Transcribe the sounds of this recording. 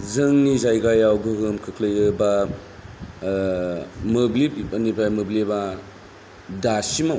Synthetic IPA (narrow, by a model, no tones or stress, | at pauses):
zɯŋnizajɡajawɡɯɡɯmkʰɯkʰlɯjɯba | mɯbliɐnipajmɯbliba | dasimaw